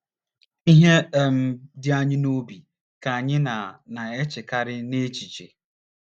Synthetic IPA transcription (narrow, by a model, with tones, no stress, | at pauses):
i˦ɦe˦˨m̩˦dɪ˦a˦ɲɪ˦no˦bi˨ | ka˨a˨ɲɪ˦na˨na˨e˦t͡ʃɪ˨ka˦ɾɪ˦ne˦t͡ʃi˨t͡ʃḛ˨